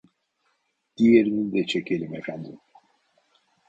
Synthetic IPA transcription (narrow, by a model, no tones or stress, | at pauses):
d̪̥ijeɾinind̪ɛt͡ʃʰecʰe̞lʲimefænd̪im